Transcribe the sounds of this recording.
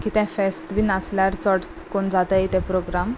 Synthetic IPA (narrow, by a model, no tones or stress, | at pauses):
kit̪ɛ̃fesʈbʱiːnasljaɾt͡sɔʈ | koɳd͡zat̪əet̪ɛ̃pɾoɡɾam